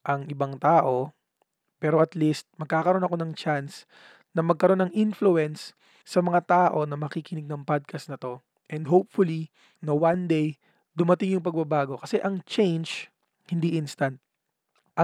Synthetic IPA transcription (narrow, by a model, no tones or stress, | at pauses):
ʔɐŋʔɪbɐŋt̪aːʔo̞ | pɛːɾo̞ʔɐt̪list̪̚mɐɡ̚kaːkɐɾo̞nɐko̞nɐŋt͡ʃans | nɐmɐɡ̚kɐɾo̞nːɐŋʔɪnfluɛns | sːɐmɐŋat̪aːʔo̞nɐmɐkikɪnɪɡ̚nɐŋpad̪̚kʰɐsnɐt̪o̞ | ʔɛnd̪ɦop̚fʊli | nɐwand̪ej | d̪ʊmɐt̪ɪŋjʊŋpɐɡ̚bɐbaːɡo̞kɐsɛʔɐŋt͡ʃɛjnd͡ʒ | hɪnd̪iʔɪnst̪ɐnt̪̚ | ʔɐ